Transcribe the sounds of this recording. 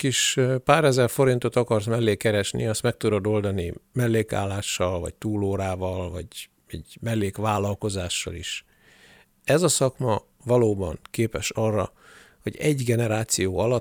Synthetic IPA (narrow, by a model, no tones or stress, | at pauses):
kiʃpaːɾɛzɛrfo̞ɾint̪o̞t̪ɒkɒrsmɛlːeːkɛɾɛʃnḭɒst̪mɛk̚t̪ud̪od̪o̞ld̪ɒnimɛlːeːka̰ːlːaːʃːɒlvɒ̰ct̪uːloːɾaːvɒlvɒ̰ɟ | ɛ̰ɟmɛlːeːkʋaːlɒlko̞zaːʃːɒ̰lḭʃ | ɛzɒsɒkmɒ | vɒloːbɒ̰ŋkeːpɛʃɒrːɒ̰ | ho̞̰ɟɛɟɡɛnɛɾaːt̪sijoːɒlɒ